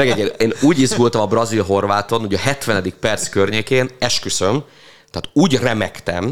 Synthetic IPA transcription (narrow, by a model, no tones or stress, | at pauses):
ɛɡɛɟeːneːnuːɟizɡult̪ɒmɒbrɒzilɦo̞rʋaːt̪o̞nuɟɛɦɛt̪ʋɛnɛd̪ik̚pɛrt̪skørɲeːkeːnɛʃkysøm | t̪ɛaːt̪uːɟrɛmɛkt̪ɛm